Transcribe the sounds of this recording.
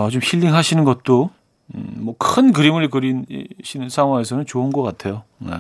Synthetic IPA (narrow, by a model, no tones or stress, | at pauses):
ʌt͡ɕomɕiʎːiŋɦaɕʰinɯnɡʌt̚t͈o | mwʌkʰɯnkɯɾimɯɾikɯɾinɕʰinɯnsʰaŋɦwaŋe̞s̬ʰʌnɯnt͡ɕounɡʌk͈atʰe̞joḛ